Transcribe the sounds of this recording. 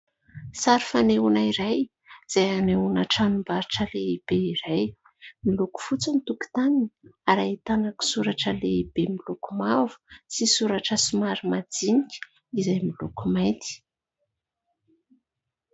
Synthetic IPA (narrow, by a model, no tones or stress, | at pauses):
saɾifaneunaiɾaj | z̥ajaneunaʈ͡ʂanumbaɾiʈ͡ʂəleib̥eiɾaj | miluku̥fut͡sənit̪uku̥t̪aniniaɾait̪anaki̥suɾaʈ͡ʂəleib̥emilukumavu̥sisuɾaʈ͡ʂəsimaɾimad͡zinikʲi̥ | izajmilukumajnt̪i̥